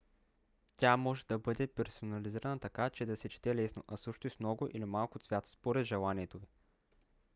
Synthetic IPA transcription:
t̪ʲamɔʒɛd̪ɐbɤd̪ɛpɛɾsonɐliziɾɐnət̪ɐkat͡ʃɛd̪ɐsɛt͡ʃi̥t̪ɛlɛsnoʔɐsɤʃt̪oismnɔɡoʔilimalˠkot̪svʲjat̪spoɾɛd̪ʒɛlˠaniɛt̪ovi

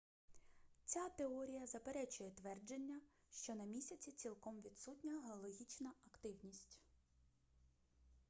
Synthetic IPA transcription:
t͡sʲat̪eɔɾʲijɐzɐpeɾɛt͡ʃʊjɛt̪ʋɛrd͡ʒe̞nʲːɐ | ʃt͡ʃɔnɐmʲisʲɐt͡sʲit͡sʲilˠkɔmʋʲid̪sutʲnʲɐɦeɔlˠɔɦʲit͡ʃnɐɐkt̪ɪwnʲisʲtʲ

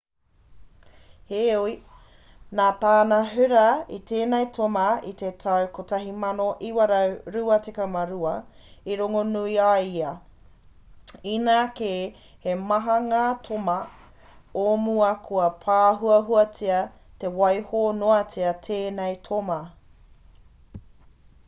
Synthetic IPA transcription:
heui | naːtaːnɐɦʉɾɐit̪ʰeːnejtʰomɐit̪etʰɐwkotɐɦimɐnoʔiwɐɾɐɾuɐtekɐmɐɾuɐ | iɾoŋonuiaiɐ | inaːkeː | hemɐɦɐŋaːtʰomɐ | omuɐkʰuɐpʰaːɦuɐɦuɐt͡siɐ | te̞wɐjhoːnoɐt͡siɐtʰeːnɛjtʰomɐ

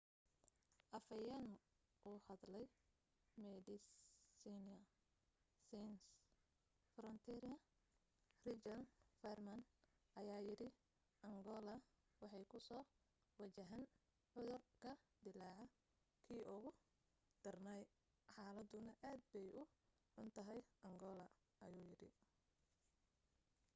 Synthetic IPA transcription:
ʔɐfɐjɐn | ʔuːhɐd̪lɛj | mɛdɪsinɐ | sins | fɾɔnt̪ʰɛɾɪɐ | rɪt͡ʃɐnfɛrmɐn | ʔɐjaːjɪɾɪ | ʔɐŋɡɔːlɐ | wɑħɑjkʰʊsɔː | wɐt͡ʃɐɦɛn | ʕʊðʊrkʰɐd̪ɪlaːʕɐ | kʰiːʔʊɣʊ | d̪̥ɐrnɐj | ħɑːlɐd̪ʊnɐʔaːd̪̚bɛjʔʊ | ħʊnt̪ʰɐɦɛjʔɐŋɡɔːlɐ | ɐjuːjɪɾɪ̰

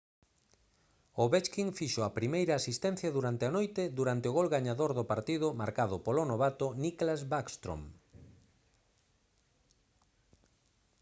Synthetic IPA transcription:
ʊβet͡ʃkiŋfiʃoɐpɾimejɾɐaːsist̪ɛn̟θjɐðuɾant̪eanojt̪ɪd̪uɾant̪ɪoɣolɣaɲaðoɾðʊpaɾt̪iðʊmaɾkaðʊpolonoβ̞at̪ʊniklazβakst̪ɾo̰m

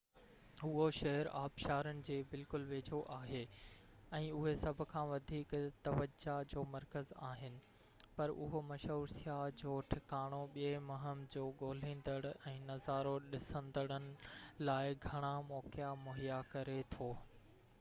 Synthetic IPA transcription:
ɦʊɦoʃɐɦəɾaːbʃaːɾənɪ̆d͡ʑeːbɪlkʊlʋeːd͡ʑʱoʔaːɦeː | ɛ̃ːʊɦesɐbʱʊ̆kʰãːʋɐd̪ʱiːkt̪ɐʋəd͡ʑad͡ʑoːmɐɾkəzaːɦɪnɪ̆ | pɐɾʊ̰ɦomɐʃoːɾsijad͡ʑoːʈʰɪkaːɽ̃oɓiemɐɦəmd͡ʑoːɡoːl̤ẽːn̆d̪əɽ̃ɛ̃ːnɐzaːɾoɗɪsə̃nd̪əɽ̃ənɪ̆laːɪɡʱɐɽ̃amɔːkjamʊɦijakɐɾet̪ʰoː

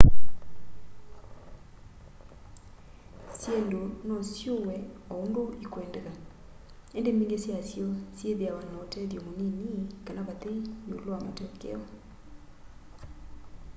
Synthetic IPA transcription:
sendonɔsjowɛɔondoikwɛndɛɣa | endemiːŋɡesjasjɔsjeðeawanaotɛðjɔmonenikanaβatenoloama̰tɛkɛ̰ɔ

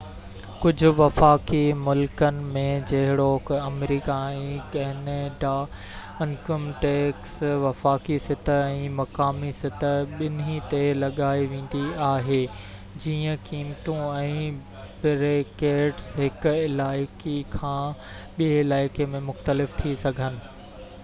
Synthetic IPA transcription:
kʊd͡ʑʱʊ̆ʋɐfaːkimʊlkənɪ̆mẽd͡ʑɐɦɪɽokɐmɾiːkaɛ̃kɐɦɪneɖa | ɪ̃nkəmʈeːksʋɐfaːkisɪt̪ʰəɛ̃ːmɐkaːmisɪt̪əɓɪnɦit̪elɐɠaːiʋẽːn̆d̪iaːɦeː | d͡ʑiːə̃kiːmt̪ũɛ̃ː | bɪɾekeːʈsɦɪkʊ̆ɪlaːɪkikʰãː | ɓiɪlaːɪkemẽmʊxt̪əlɪft̪ʰisɐɡʱənɪ̆

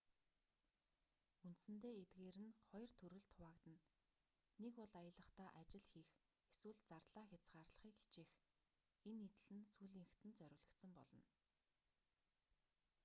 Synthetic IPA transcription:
unt̪sɘ̆nt̪eːet̪ɡeːɾɘ̆nχɔjɞ̆r̥t̪ʰɵɾɵ̆ɮt̪ʰʊwaːkt̪ɘ̆nː | ekɔɮajə̆ɮə̆χt̪aːʔat͡ɕɪ̆ɮxiːx | eswɘ̆ɮt͡sart̪ɮaːxʲat͡sɢaːrɮə̥̆χiːki̥t͡ɕiːx | enːit̪ɘ̆ɮɘ̆nsuːɮiːŋxt̪ɘ̆nt͡sœɾʲɪ̆ɣɮə̆kt̪sə̆mpɔ̰ɮɞ̆n

